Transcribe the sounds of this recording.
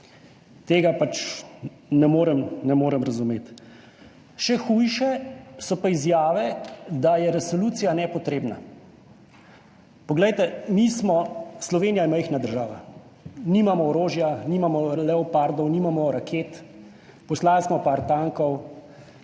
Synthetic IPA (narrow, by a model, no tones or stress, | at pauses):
t̪eːɡapat͡ʃ | nɛmoːɾɛmnɛmoːɾɛmɾazumeːt̪ | ʃɛxujʃɛsɔpaizjaːʋɛd̪ajɛɾɛsɔluːt̪sijanɛpɔt̪ɾeːbna̰ | pɔɡlɛjt̪ɛmismɔslɔʋeːnijajɛməjxnad̪əɾʒaːʋa̰ | nimamɔɔɾoːʒjanimamɔlɛɔpaɾd̪ɔwnimamɔɾakʰeːt̪ | pɔslaːlsmɔpaɾt̪aŋkɔw